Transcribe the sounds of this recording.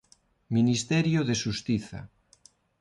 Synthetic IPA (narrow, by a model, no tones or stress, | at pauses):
minist̪ɛɾjoðeʃust̪iθa̰